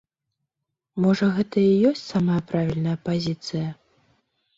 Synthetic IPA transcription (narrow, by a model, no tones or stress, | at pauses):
mɔʐɐɣɛt̪ɐijɔsʲt͡sʲsamɐjɐpɾavʲilʲnɐjɐpazʲit̪sɨjɐ